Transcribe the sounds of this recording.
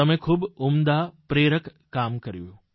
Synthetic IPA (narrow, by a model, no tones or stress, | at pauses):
əmẽkʰuːbumd̪apɾeɾəkːamkəɾjṵ̃